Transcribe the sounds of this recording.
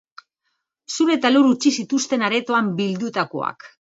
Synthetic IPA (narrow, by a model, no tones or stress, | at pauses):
suɾet̪aluɾut͡ʃisit̪ust̪e̞naɾe̞t̪o̞ambild̪ut̪ako̞̰a̰k